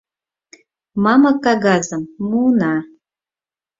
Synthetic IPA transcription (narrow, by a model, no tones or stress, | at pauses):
mɑməkːɑɣɑzəmːunɑ